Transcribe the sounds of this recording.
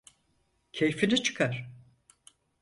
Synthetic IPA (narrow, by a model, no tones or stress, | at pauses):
cʰejfinit͡ʃʰɯ̥kʰaɾ̥